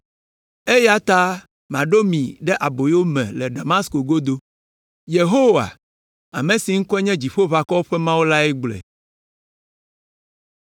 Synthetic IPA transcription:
e˦ja˦t̪a˦ | m˨ã˨ɖo˦mĩ˨ɖɛ˦ʔa˨bo˨jwo˦mɛ̃˨lɛ˨ɖa˨mã˦sko˨ɡo˦d̪o˦ | je˨ɦo˦wa̰˨ | a˨mẽ˨si˨ŋ̩˦kɔ˦ɛ˦ɲɛ̃˦d͡ʑi˨ɸo˦βa˨kɔ˦ɸɛ˦mã˦wo˦la˦ɛ˦ɡ͡blɛ̰˨

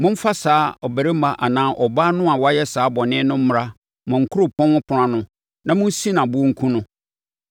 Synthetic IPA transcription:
mʊ̃˦m̩˦fa˦saː˨˦ɔ˨bæ˨ɾe˦mã˦ʔa̰˨nãː˦ʔɔ˨baː˦nʊ̃˦a˨wɔ˦a˦jɛ˦saː˨˦bɔ˨nɪ̃˦nʊ̃˦m̩˦mʊ˨ɾa˦ | mɔ̃˨ŋ̩˨kʰʊ˦ɾo˨pʰɔ̃˦nʊ̃˦pʰʊ˨ɾã˦nʊ̃˦ | nã˨mʊ̃˦n̩˦si˦nã˨bʊ˦o˦ŋ̩˦kʰũ˦nʊ̃˦

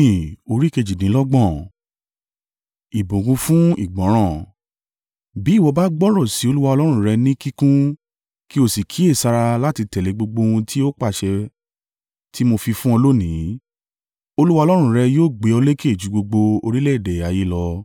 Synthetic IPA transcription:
ĩ˨o˧ɾi˦ke˧d͡ʒi˨nĩ˨˦lɔ˦ɡ͡bɔ̃˦˨ | i˨bõ˨ɡũ˧fũ˦ḭ˦˨ɡ͡bɔ̃˨˦ɾ̃ã˦˨ | bi˨˦˨wɔ˧ba˦ɡ͡bɔ˦ɾɔ˦˨si˨˦o˧lu˦wa˧ɔ˧lɔ˦ɾ̃ũ˧˦ɾɛ˧nĩ˦ki˦kũ˦ | ki˦o˦˨si˨kʰi˨˦e˦˨sa˧ɾa˧la˦ti˧tɛ˨le˨˦ɡ͡bo˧ɡ͡bo˧ũ˧tʰi˦o˦k͡pa˦˨ʃɛ˧ | tʰi˦mo˧fi˧fũ˦ɔ˧lo˦nĩ˨˦ | o˧lu˦wa˧lɔ˦ɾ̃ũ˧ɾɛ˧joː˦˨ɡ͡be˨˦ɔ˧le˦ke˦˨d͡ʒu˨˦ɡ͡bo˧ɡ͡bo˧o˧ɾi˦le˦i˦˨dɛ˨a˨ji˦lɔ˧

